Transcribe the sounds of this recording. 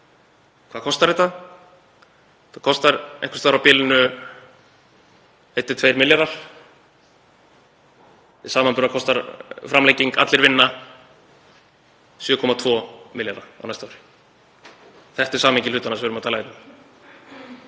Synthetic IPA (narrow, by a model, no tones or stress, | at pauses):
kʰvaːkʰɔst̪aɾɪt̪θað | θakʰɔst̪aɾḛŋkvḁst̪vaɾawpɪːlɪnʏ | ejt̪ːɪt̪ʰv̥ejɾmɪljaɾaɾ̥ | ɪsaːmanpʏɾðakʰɔst̪aɾfɾamlejciŋka̰t̪lɪɾvɪnːa | sjʏːkʰɔmat̪ʰvɔːmɪljaɾaa̰w̪najst̪aɔɾɪ̥ | θɛht̪ɛɾ̥saːmeɲcɪlʏːt̪anasvʏɾʏmat̪ʰaːlaɪt̪a